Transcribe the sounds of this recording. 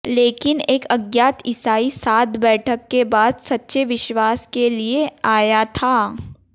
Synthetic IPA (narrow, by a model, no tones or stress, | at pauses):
leːkɪneːkɐɡjaːt̪ɪsaːisaːt̪̚bɛːʈʰəkːebaːd̪sɐtːʃeʋɪʃwaːskelieaːjat̪ʰaː